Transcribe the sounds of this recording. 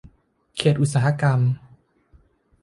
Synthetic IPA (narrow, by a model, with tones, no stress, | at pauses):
kʰeː˨˩t̪̚ʔu˨˩t̪̚saː˩˦a˧ka˧m